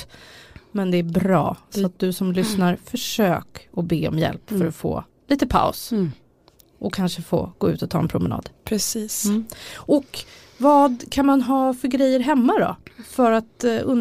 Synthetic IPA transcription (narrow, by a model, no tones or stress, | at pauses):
mɛnd̪ɛːbɾɑ̰ːsɔat̪̚d̪ɵsɔmlʏsnaɾfœʂøːkɔbeːɔ̰mjɛ̰lpffœɾɔfo̰ː | liːt̪əpʰa̰ʊs | ʔɔkʰːanʂəfo̰ːɡ̥oːʉ̟ːt̪ɔt̪ʰɑːɛnpʰɾʊmɛnɑ̰ːd̪̥pʰɾɛsiːsʔɔk | vɑːd̪kʰanmanɦɑːfœɾɡɾɛjːəɾɦɛmːad̪ɔ̰fœɾat̪ɵn